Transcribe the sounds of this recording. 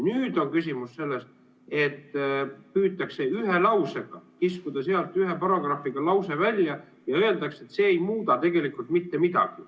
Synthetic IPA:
nyːd̪̥o̞nkysʲimusse̞lːe̞st̪ | e̞t̪ːpyːt̪ːˑɑkse̞yɦe̞lɑwse̞ɡ̥ɑkiskud̪̥ɑseɑlt̪ˑyɦe̞pɑɾoɡ̥rɑfiɡ̥ɑlɑwse̞vælʲjɑ | jɑø̞e̞ld̪ɑkset̪se̞ːjmuːd̪ɑt̪e̞ɡ̥e̞likult̪mit̪ːe̞mid̪̥ɑ̰ɡ̥i

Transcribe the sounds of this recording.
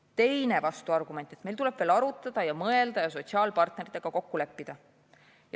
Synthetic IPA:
t̪e̞jne̞vɑst̪uɑrɡ̥ume̞nt̪ːˑe̞t̪mejlt̪ule̞b̥veːlɑɾut̪ːˑɑd̪̥ɑjɑmɤe̞ld̪ɑjɑs̬o̞t̪siɑːlpɑrt̪ne̞ɾit̪eɡ̥ɑko̞kːulepːid̪̥ɑ | jɑ

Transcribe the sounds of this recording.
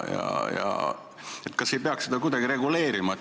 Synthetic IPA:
jɑ̰jɑ̰ | et̪ːˑkɑse̞jpeɑksed̪̥ɑkud̪ɑɡ̥iɾe̞ɡule̞ːɾimɑ

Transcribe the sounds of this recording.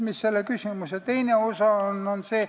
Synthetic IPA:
misselːekysimuset̪ejneosɑonːonseː

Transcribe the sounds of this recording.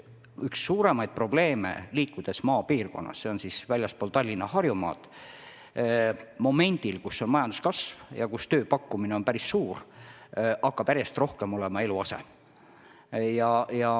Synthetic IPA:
yksːuːɾe̞mɑjd̪̥̚pro̞ble̞ːmḛliːkːˑud̪̥e̞smɑːpiːrko̞̰nːɑ̰sse̞o̞nsisvælʲjɑspo̞ːlt̪ɑlʲːinːɑhɑrjumɑ̰ːt̪ˑ | mo̞me̞nʲd̪̥ilkusːo̞nmɑjɑnd̪̥u̥skɑsvjɑ̰kust̪øːpɑkːumineo̞npæɾisːuːr | ʔɑkːɑpæɾjest̪ro̞hkemo̞lemɑe̞luɑsḛ | jɑjɑ

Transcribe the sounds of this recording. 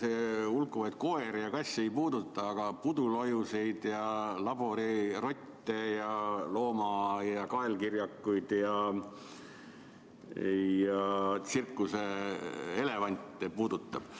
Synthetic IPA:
seulkːˑuvɑt̪̚ko̞e̞ɾjɑkɑsʲejpuːd̪ut̪ːˑɑːɡ̥ɑpud̪ulojuse̞jd̪̥jɑlɑbo̞ɾiro̞t̪ʲːˑejɑlo̞ːmɑjɑkɑelkirjɑkːˑujd̪̥jɑ | jɑsirkːˑuse | e̞le̞vɑnʲt̪ːˑepuːd̪ut̪ˑːɑb̥

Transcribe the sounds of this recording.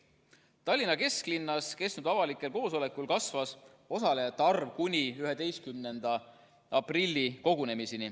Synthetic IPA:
t̪ɑlʲːinɑke̞sklinːɑske̞stnud̪̥ɑvɑlikːˑe̞lko̞ːso̞le̞kːulkɑsvɑs | o̞sɑle̞jɑt̪ːɑrvkunʲiyɦed̪e̞jskymnend̪̥ɑ | ɑprilʲːiko̞ɡ̥une̞miseni

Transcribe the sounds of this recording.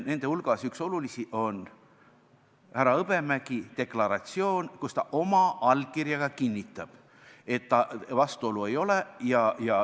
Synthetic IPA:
ne̞nd̪̥e̞ulɡ̥ɑsykso̞lulisiʔo̞n | hæɾɑɤb̥e̞mæɡ̥it̪e̞klɑɾɑt̪sio̞ːnkust̪ɑʔo̞mɑɑl̚kiɾjɑɡɑkinʲːit̪ːˑɑb̥ | e̞t̪ːɑvɑst̪uo̞lue̞jo̞lejɑjɑ

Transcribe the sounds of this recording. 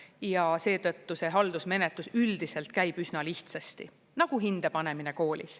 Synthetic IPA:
jɑse̞ːt̪ɤt̪ːuse̞ɦɑld̪̥usme̞ne̞t̪lusyld̪̥ise̞lt̪kæjb̥ysnɑliht̪sɑst̪ḭ | nɑɡ̥uɦind̪̥e̞pɑne̞mine̞ko̞ːlʲḭs

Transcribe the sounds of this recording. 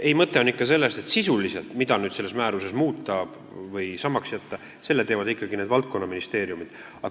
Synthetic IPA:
e̞jmɤt̪ːˑeo̞nikːɑselːe̞st̪et̪sisulise̞lt̪mid̪̥ɑnyːd̪̥se̞lːesmæːɾuse̞smuːt̪ːˑɑ̥ | vɤjsɑmːɑksjæt̪ːɑ | se̞lːet̪e̞ːvɑd̪ikːɑɡineːd̪vɑlt̪̚ko̞nːɑminist̪e̞ːɾijumid̪̥ | ɑ

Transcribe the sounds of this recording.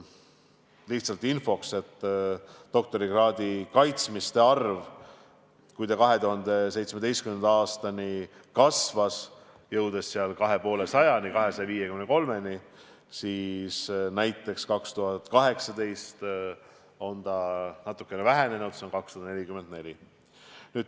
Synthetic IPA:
liht̪sɑlt̪ˑinfo̞kse̞t̪ː | o̞k̚t̪o̞ɾiɡ̥rɑːd̪ikɑjt̪smist̪e̞ɑrv | kujt̪ɑkɑɦe̞t̪uɦɑnd̪̥e̞se̞jt̪sme̞d̪e̞jst̪̚kymend̪ɑːst̪ɑni | kɑsvɑs | jɤwd̪̥e̞sːeɑlkɑɦe̞po̞ːle̞sɑjɑnikɑɦe̞sɑjɑviːjekymneko̞lme̞ni | siːsnæjt̪ːˑe̞kskɑkst̪uɦɑt̪kɑɦe̞ksɑd̪e̞jst̪ | o̞nt̪ɑnɑt̪ːˑu̥kːˑe̞nevæɦe̞ne̞nud̪̥seonkɑkst̪ud̪ɑne̞lʲikymend̪ne̞lʲi | nyːd̪̥

